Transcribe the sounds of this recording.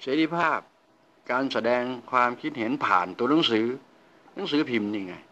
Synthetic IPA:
seː˨˦˥t̪ʰi˧˩pʰaː˥˩p̚ | kaː˧nsa˧dɛː˧ŋkʰwaː˧mkʰi˦˥t̪̚he˩˦npʰa̰ː˨˩nt̪u˧ɐna˨˩˦ŋsɯː˨˩˦ | na˨˦ŋsɯː˨˦pʰi˨˩mɲi˧ŋːa˧˩j

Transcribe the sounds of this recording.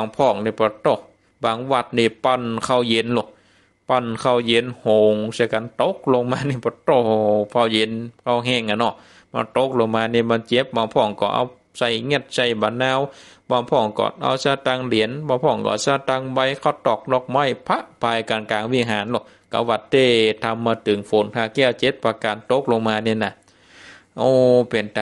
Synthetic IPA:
a˨˧˩ŋpʰɔː˧˩˨ŋniː˧˨bɔː˨˧˦t̪o˧˩ | baː˨˩ŋwa˧˩t̪̚niː˧˩pa˧˨nkʰa˧˩˨wje˨˧˦nlɔ˧˩ | pa˧˨nkʰa˧˨wje˨˧˦nhoː˨ŋsa˧ka˨˦nt̪o˧˦˥k̚lo˧ŋmaː˧ni˧˩bɔː˧˦t̪o˧˨pʰa˧˩˨wje˨˧˦nkʰa˧˩wɦɛː˧˩˨ŋa˧˨nɔ˧˩ | ba̰˧˨nt̪o˧˦k̚lo˧ŋmaː˧niː˧˩˨baː˧˨nt͡ɕe˧˦p̚baː˧˦ŋpʰɔː˧˩ŋkɔ̰ː˧˩ʔa̰˧w | sa˧˩jŋɛ˧˩t̪̚sa˧˩jbaː˨˧˦nːaː˧˥˨wbaː˧˨mpʰɔː˧˩˨ŋkɔ̰˧˦ʔa̰˧˩wsaː˧˩t̪a˧˨ŋli˨˦ənbaː˧˨pʰɔː˧˨ŋkɔ̰˧˨˧saː˧˩t̪a˧˨ŋba˧˨jkʰa˧˩wt̪ɔ˧˩k̚lɔ˧k̚ma˧˩˨jpʰa˧ʔpʰaː˧˩jkaː˨nkaː˨˩ŋwi˧˨ɦaː˨˦nlɔ˧˩ | ka̰˧˦wa˧t̪̚ːeː˧˩t̪ʰa˧mːaː˧t̪ʰɯ˨˦ŋfo˨˦nt̪ʰaː˧˩kɛː˧˩˨t͡ɕe˧˦t̪̚paː˧kaː˨nt̪o˧˦˥k̚lo˧ŋmaː˧niː˧˨na˧˨ | ʔoː˧˩pe˨nt̪a˨

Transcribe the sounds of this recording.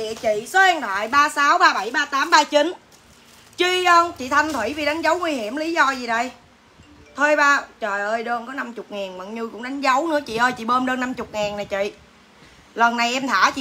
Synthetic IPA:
ɗḭ˧˨ət͡ɕḭ˧˨sə˨˦ʔɛ˧nɗa̰ː˧˨jɓaː˧saː˨˦wɓaː˧ɓa˧˩jɓaː˧t̪aː˨˦mɓaː˧t͡ɕi˨˦n | t͡ɕi˧ʔə˧nt͡ɕḭ˧˨t̪ʰa˧jŋ̟t̪ʰwi˧˩˦vi˨˩ɗa˨˦jŋ̟zə˨˦wŋwi˧hi˧˩əmli˨˦zɔ˧zi˨˩ɗə˧j | t̪ʰəː˧jɓaː˧t͡ɕəː˨˩jʔəː˧jɗəː˧nkɔ˨˦na˧mt͡ɕʊ˨˩k͡p̚ŋaː˨˩nmə̰˧˨˩nɲɨ˧kʊ̰˧˥ŋ͡mɗa˨˦jŋ̟zə˨˦wnɨ̰˧˥ət͡ɕḭ˧˨ʔəː˧jt͡ɕḭ˧˨ɓəː˧nɗəː˧nːa˧mt͡ɕʊ˨˩k͡p̚ŋaː˨˩nna˨˩t͡ɕḭ˧˨ | lə˨˩nːa˨˩jʔɛ˧mt̪ʰaː˧˩t͡ɕḭ˧˨

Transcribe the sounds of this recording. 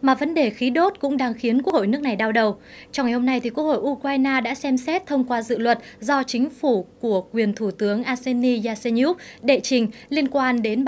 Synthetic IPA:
maː˨˩və˨˦nɗe˧˨˩xi˨˦ɗo˦˥t̚kʊ̰˧˥ŋ͡mɗaː˧ŋxi˨˦ənku˧˦˥k̚ho̰˧˨jnɨ˦˥ək̚na˨˩jɗaː˧wɗə˨˩w | t͡ɕɔ˧wŋ͡mŋa˨˩jho˧mna˧jt̪ʰi˨˩ku˦˥ək̚ho̰˧˨jʔu˧kwaː˧jnaː˧ɗa̰ː˧˥sɛ˧msɛ˦˥t̚t̪ʰə˧wŋ͡mkwaː˧zɨ̰˧˨lwə˨˩t̚zɔ˧t͡ɕï˨˦ŋ̟fu˧˩ku˧˩əkwi˨˩ənt̪ʰu˧˩t̪ɨ˨˦əŋʔaː˧se˧ni˧zaː˧se˧n˧u˦˥p̚ɗḛ˧˨t͡ɕï˨˩ŋ̟li˧ənkwaː˧nɗe˨˦n

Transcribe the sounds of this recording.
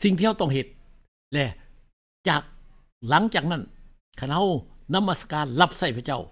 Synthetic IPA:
si˨ŋt̪ʰiː˧˩˧t̪ɔ˥˩ŋɦe˨˩t̪̚ | lɛː˧˩ | t͡ɕaː˨˩k̚ | la˨˦ŋt͡ɕaː˨˩k̚na˥˩n | kʰa˧˩nha˧˥˩wna˧˥˨mːa˧˩sḁ˧kaː˧nla˧˥˩p̚sa˧˩jpʰa˧˩t͡ɕa˥˩w

